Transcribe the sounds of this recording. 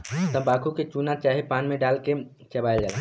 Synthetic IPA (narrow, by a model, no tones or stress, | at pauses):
t̪əbaːkʰuket͡ʃunat͡ʃaːɦepaːnmẽɖaːlke | t͡ʃɐbaːjld͡ʒaːla